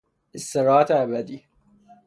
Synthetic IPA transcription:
est̪eɾɑːæt̪ʰeæbæd̪iː

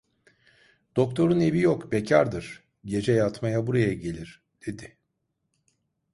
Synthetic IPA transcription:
d̪̥o̞k̚t̪ʰo̞ɾune̞vijokbe̞cʰaɾd̪ɯɾ̥ | ɟe̞d͡ʒɛjat̪majabuɾajaɟe̞lʲiɾ̥ | d̪̥e̞d̪ɪ

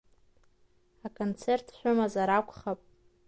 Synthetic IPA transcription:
akʰʼont͡sʰe̞rtʰħʷᶣʊmazaɾakʷʰʼχapʼ

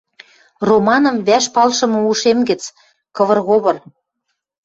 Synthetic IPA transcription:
romɑnɤ̆mβæʃpɑlʃɤ̆mɤ̆uʃemɡə̆t͡s | kɤ̆βɤ̆rɣoβɤ̆r

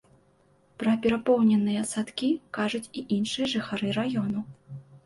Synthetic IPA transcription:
pɾɐpʲɛɾapɔwnʲɛnɨjɐsat̪kʲikaʐut͡sʲiʔinʂɨjɐʐɨxaɾɨɾajɔnu

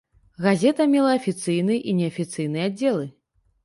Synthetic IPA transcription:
ɣazʲɛt̪ɐmʲɛlˠɐɐfʲit̪sɨjnɨjɛʔinʲɛɐfʲit̪sɨjnɨjɛadd͡zʲːɛlˠɨ

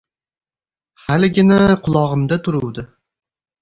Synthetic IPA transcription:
halɪɡʲɪnaqʰʊlˠɒʁɨmd̪at̪ʰʊɾʊwd̪ɪ

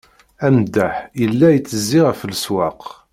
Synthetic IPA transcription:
æmd̪ːæħjəlːæjət͡sːəzːiʁæfəlswæq

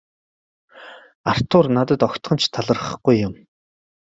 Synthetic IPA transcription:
ar̥t̪ʰʊrnat̪ə̆t̪ɔkt̪χə̆nt͡ɕt̪ʰːaɮə̆rχə̆χɡ̥ujːʊm

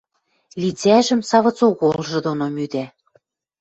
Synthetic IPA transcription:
lit͡sæʒə̆msɑβɤ̆t͡suɣolʒɤ̆d̪onomyd̪æ

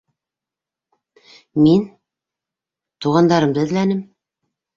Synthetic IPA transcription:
min | t̪uʁɑnd̪ɑɾɤmd̪ɤ̆ðlænɘm

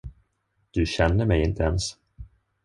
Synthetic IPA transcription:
d̪̥ɵɕɛnːəɾmɛjɪnt̪ʰəɛns

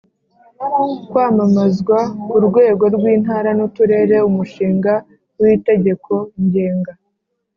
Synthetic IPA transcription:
ukwaːmamazɡwauɾɡwe̞ːɡo̞ɾɡwiːnɦaːɾanutuɾe̞ːɾe̞umuʃiːŋɡa | wiːte̞ɟe̞kʰo̞ɲɟe̞ːŋɡa

